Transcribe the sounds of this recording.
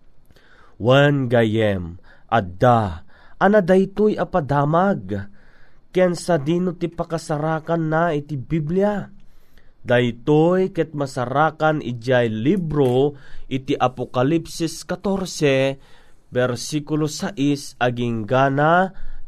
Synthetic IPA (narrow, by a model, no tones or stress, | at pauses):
wanɡajɛmʔad̪aʔanad̪ajt̪ojɐpad̪aːmaɡ | kɛnsad̪iːnot̪ipɐkasaɾaːkanːait̪ibiblja | d̪ajt̪ojkɛt̪̚mɐsaɾaːkanʔɪ̰d͡ʒajlibɾoʔɪt̪iʔapokalipsiskat̪oɾsɛ | bɛɾsikʊlosaʔisɐɡiŋɡana